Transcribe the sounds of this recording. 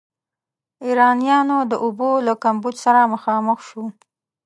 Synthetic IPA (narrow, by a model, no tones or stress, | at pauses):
iɾɑnijɑnod̪əʔubolakambud͡ʒsaɾaməxɑməxʃu